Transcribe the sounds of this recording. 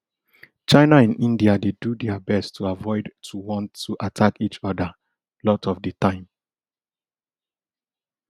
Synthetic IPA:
t͡ʃaɪnaɛ̃nĩndiadedudɛabɛstʰuavɔɪdtʰuwɔ̃ntʰːuʔatʰakit͡ʃɔda | lɔtɔfdətãɪ̃m

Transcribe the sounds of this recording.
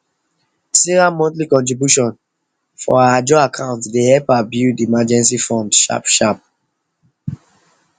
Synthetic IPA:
siɹamɔ̃ntlikɔ̃ntɹibjuʃɔ̃n | fɔ̰aad͡ʒɔakʰãʊ̃ntdehɛpabjudiimad͡ʒɛ̃nsifɔ̃ndʃa̰pʃap̚

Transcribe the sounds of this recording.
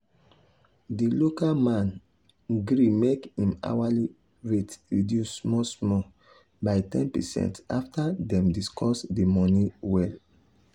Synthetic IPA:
dilokalmãn | ɡɾimekĩma̰wali | ɹetɹidjusmɔsmɔ | baɪtɛ̰̃npɛ̰sɛ̰̃ntaftadɛ̃mdiskʰɔsdimɔniwɛl

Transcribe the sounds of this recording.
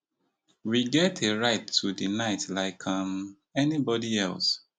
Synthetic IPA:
wiɡɛtʰeɹaɪtʰːudinaɪtlaɪkʰãm | ɛnibɔdiɛ̰lˠs

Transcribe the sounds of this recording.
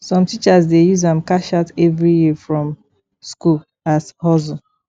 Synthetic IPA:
sɔ̃mtit͡ʃasdejuzãmkaʃatɛvɹijifɹɔ̃m | skul | athɔzɔ̃

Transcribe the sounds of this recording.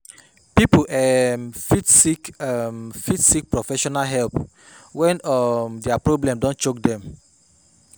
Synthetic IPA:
pipuʔɛmfitsikɛmfitsik̚pɹofɛʃɔnalɦɛlp | wɛ̃nɔmdɛapɹoblɛ̃mdɔ̃nt͡ʃok̚dɛ̃m

